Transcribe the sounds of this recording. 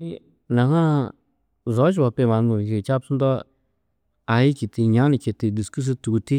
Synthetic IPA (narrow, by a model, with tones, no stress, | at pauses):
i˦ | nã˨˧hã˦ | zo˨˦ʃ̬ba˧pe˧˨ma˨˧nũ˧i˨˧ke˧˨t͡ʃa˦psu˦nd̪ɔ˦ | a˨˧i˦ki˨t̪i˧ɲã˦nĩ˧ke˨t̪i˧d̪i˨sku˦s̬ɨ˧t̪u˨˧t̪i˦